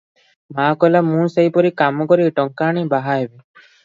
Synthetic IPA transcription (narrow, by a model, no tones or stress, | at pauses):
maːkɔjlamũːsejpɔɾikamɔkɔɾiʈɔŋkaːɽ̃ibaɦaɦebe